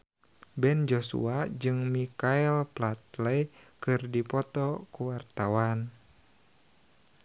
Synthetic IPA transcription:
bɛnd͡ʒosṵad͡ʒɨŋmikaɛlplat̪lɛjkɨrdipɔt̪ɔkuwart̪awan

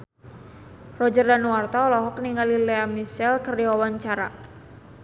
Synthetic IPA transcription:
rɔd͡ʒərdanuwart̪aɔlɔɦɔkniŋalileamisɛlkərdiwawaɲt͡ʃaɾa̰

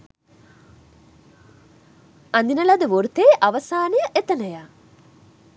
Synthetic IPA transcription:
and̪inəlad̪əʋoɾut̪eːʔaʋəsaːnejəʔet̪ənəjaː

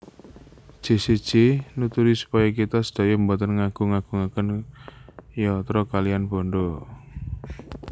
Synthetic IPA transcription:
d̥ʒ̥e̤sed̥ʒ̥enut̪uɾisu̥pɔjɔkit̪ɔsə̥d̪̥a̤jɔmbɔt̪ənŋaɡ̥ṳŋaɡ̥ṳŋakən | jɔt̪ɾɔkalijanboɳɖo

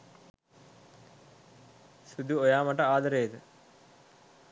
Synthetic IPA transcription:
sud̪uojaːmaʈəaːd̪əɾejːt̪ə

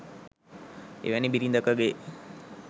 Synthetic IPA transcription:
ḛʋænibiɾind̪əkəɡe

